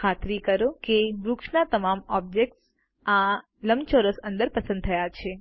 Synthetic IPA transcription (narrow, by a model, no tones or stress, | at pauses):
kʰat̪ɾikəɾokebɾukʂnat̪əmamɔb̚d͡ʒek̚ʈs | ã | ləmt͡ʃoɾosə̃nd̪əɾpəsə̃nd̪̚t̪ʰəjat͡ʃʰe